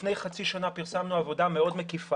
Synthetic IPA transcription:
nejχat͡siʃanapiʁsamnuavo̞dameo̞dmekifa

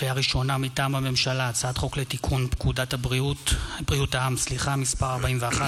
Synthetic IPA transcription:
ejaʁiʃo̞namitaːmhame̞mʃalat͡saad̪χo̞klet̪ikʰunpkudathabʁiutbʁiutaamsliχamispaʁaʁbaimveaχa

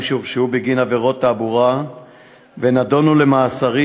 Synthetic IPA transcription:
ʃuʁʃubiɡinaveʁo̞t̪ːaːbuʁa | venado̞nule̞maːsaʁi

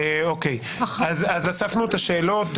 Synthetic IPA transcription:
eokej | azazasafnuet̪aʃe̞ːlo̞t

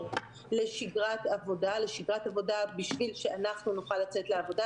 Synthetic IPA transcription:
le̞ʃiɡʁatavo̞dale̞ʃiɡʁatavo̞dabiʃvilʃeanaχnunuχalːat͡se̞t̪leavo̞da

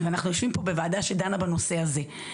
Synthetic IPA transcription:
veanaχnujo̞ʃvimpo̞be̞vaːd̪aʃed̪anabano̞se̞aze̞

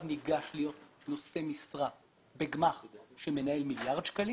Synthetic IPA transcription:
niɡaʃlijo̞t̪no̞se̞misʁa | beɡmaχʃeme̞nae̞lmiljaʁd̪ʃkali

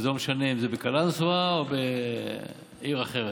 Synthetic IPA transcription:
zelomeʃaneimzebekalansuaobe | iʁaχeʁe

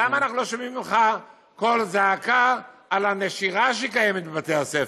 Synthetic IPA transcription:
amaːnaχnulo̞ʃomimimχa | ko̞lzaːkaːlaneʃiʁaʃeikajemet̪̚bebat̪ease

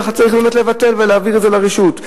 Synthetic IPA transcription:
χatt͡saʁiχlomotle̞vate̞lveleaviʁtzelaʁeʃut

